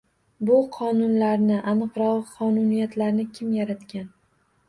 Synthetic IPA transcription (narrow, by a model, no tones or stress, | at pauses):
bʊqʰɒnʊnlaɾnɪʔanɨqɾɒʁqʰɒnʊnijat̪ʰlaɾnɪkʲʰɪmjaɾat̪kʲan